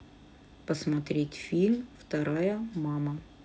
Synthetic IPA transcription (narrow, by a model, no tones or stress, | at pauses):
pəsmɐt̪ɾʲetʲfʲilʲmft̪ɐɾajəmamə